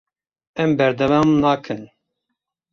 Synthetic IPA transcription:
ɛmbɛɾd̪ɛvɑːmnaːkʰɨn

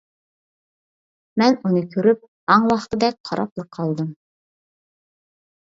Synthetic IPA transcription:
mɛnunɨkʲʰøɾyp̚ | ɑŋwɑχt̪ɨd̪ɛk̚ʲqʰɑɾɑ̰plˠəqʰːɑlˠd̪ɨm

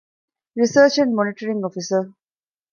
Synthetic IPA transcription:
ɾisəːt͡ʃɛ̃ɳɖmɔnɪʈəɾĩŋɔfisə

